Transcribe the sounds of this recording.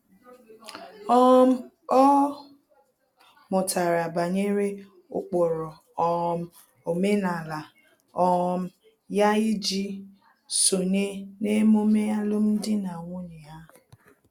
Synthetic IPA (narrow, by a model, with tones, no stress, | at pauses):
ɔ˦m̩˦ | ɔ˦ | mʊ˨ta˨ɾa˨ba˨ɲe˦ɾe˦ | ʊ̰˦k͡pɔ˨ɾɔ˨ | ɔ˦m̩˦ | o˨me˦na˨la˨ | ɔ˦m̩˦ | ja˦i˦d͡ʒi˦ | so˨ne˦ne˦mo˦me˦a˦lʊ˦m̩˦dɪ˦na˨ŋʷʊ˦nɪ˨ja˦˨